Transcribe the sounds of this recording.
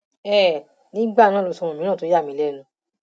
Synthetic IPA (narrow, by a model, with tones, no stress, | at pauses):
ɛ˦˨ | nĩ˨˦ɡ͡ba˦˨nãː˦˨o˨˧sɔ̃˧ɔ̃˧˨mĩ˦ã˦˨to˨˦ja˦˨mĩ˦lɛ˦˨nũ˨˧